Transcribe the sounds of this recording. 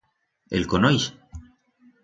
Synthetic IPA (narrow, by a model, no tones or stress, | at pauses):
ḛlkonojs